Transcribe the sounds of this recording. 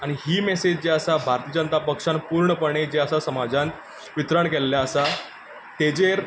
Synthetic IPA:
aɽ̃ihiːmɛsed͡ʑd͡ʑeasabʱaɾt̪iəd͡ʑənt̪apəkʂãnpuːɾɳəpəɳ̃ed͡ʑeəsasəmad͡ʑãnt̪ | ʋit̪ɾəɳkelːjaəsa | t̪ed͡ʑeɾ

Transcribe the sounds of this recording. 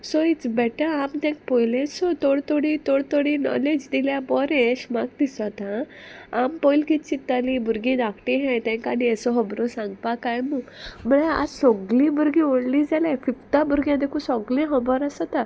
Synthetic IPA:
sɔit͡sbɛʈəamt̪ɛ̃k̚pɔjlẽsɔt̪oɽt̪oɽit̪oɽt̪oɽinɔ̰led͡ʑd̪iljabɔɾeɕmaɡ̚d̪isʋat̪ãampɔjlkit̪t͡ɕit̪ːalĩbʱuɾɡĩd̪akʰʈiɦɛ̃t̪ɛ̃kaɽiəsɔɦəbɾɔsãŋɡpakajmum̤əɽea̰sɔɡlĩbʱuɾɡĩoɽlĩd͡zalafift̪abʱuɾɡjãd̪ekʰusɔɡlĩɦəbɔɾasat̪a

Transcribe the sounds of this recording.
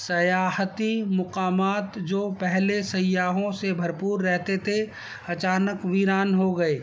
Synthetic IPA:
sɐjaːht̪imʊqaːmaːt̪d͡ʒoːpɛɦlesɐjaːɦõsebʱɐɾpuːɾːɛɦt̪et̪ʰe | ɐt͡ʃaːnəkʋiɾaːnɦoɡɐeː

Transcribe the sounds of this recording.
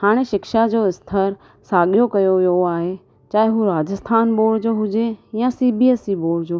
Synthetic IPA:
haːɽ̃eʃɪkʃad͡ʑoːɪst̪ʰəɾ | saːɠijokɐjoʋijoaːɦe | t͡ɕaːɦɪɦuɾaːd͡ʑəst̪ʰaːnɓoːɽd͡ʑoːɦʊd͡ʑejãsiːbiesiboːɽd͡ʑoː

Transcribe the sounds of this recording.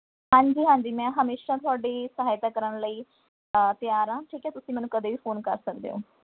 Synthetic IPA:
hãːɲd͡ʒiːɦãːɲd͡ʒiːmɛ̃ːɦəmeːʃaːt̪ʊaːɖeːsəɦaːjt̪aːkəɾəɳləiː | t̪ɪjaːɾãːʈʰiːkɛːt̪ʊsĩmɛ̃ːnũːkəd̪eːʋiːpʰoːnkəɾsəkd̪ḛːõ̰ː

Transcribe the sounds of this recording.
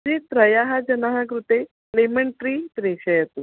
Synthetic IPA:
it̪ɾəjaɦad͡ʑənaɦakɾut̪e | leməɳʈɾiːt̪ɾeɕəjat̪u

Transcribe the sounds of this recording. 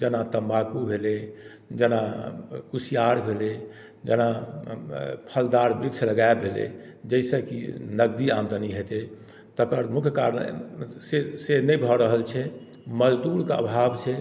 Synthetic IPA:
d͡ʒənat̪əmbakubʱele | d͡ʒənakusijaɾbʱele | d͡ʒəna | pʰəld̪aɾbɾiɡsələɡaebbʱelḛd͡ʒəsə̃kḭnəɡd̪iamd̪ʱəniɦet̪e | t̪əkəɾmukʰjəka̰ɾ̰sesenəjbʱɔɾəɦəlt͡ʃʰɛ | məd͡ʒd̪uɾkeə̰bʱabt͡ʃʰɛ

